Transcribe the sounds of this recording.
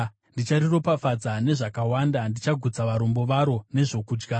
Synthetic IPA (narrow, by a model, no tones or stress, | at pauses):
ndit͡ʃariropafad͡zane̞ʐakawandandit͡ʃaɡʱud͡zaʋaɾombo̞ʋaɾo̞ne̞ʐo̞kuːd͡ʒɡa